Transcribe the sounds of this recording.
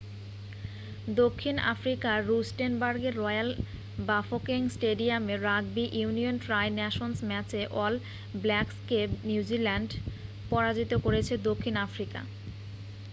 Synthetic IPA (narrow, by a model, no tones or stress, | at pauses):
d̪okʰːina̰fɾikaɾusʈenbaɾɡeɾːɔjal | bafokiŋsʈeɖiameɾaɡ̚biʔunionʈɾajnɛʃonsmɛt͡ɕeʔɔl | blɛkskepnjud͡ʑilɛɳɖ | pɔɾad͡ʑit̪okoɾet͡ɕʰed̪okʰːinafɾika̰